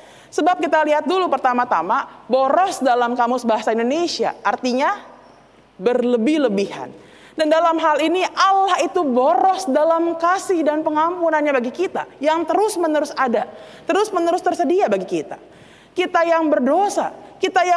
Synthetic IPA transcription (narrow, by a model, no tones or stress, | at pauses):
səbap̚kit̪aliɦat̪̚dulupərt̪amat̪amaboɾɔsdalamkamʊsbaɦasaindonesia̰ʔːrt̪iɲa | bərləbɪhləbiha̰n | dandalamɦaliniʔalahit̪uboɾɔsdalamkasɪhdanpəŋampunanɲabaɡikit̪ajaŋt̪əɾʊsmənəɾʊsada | t̪əɾʊsmənəɾʊst̪ərsədiabaɡikit̪ḁ | kit̪ajaŋbərdosa̰kit̪aja